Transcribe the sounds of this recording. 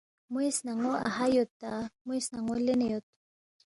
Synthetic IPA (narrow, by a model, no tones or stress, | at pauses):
muisnaŋoa̰hajot̪amʊjsnaŋolenejot̪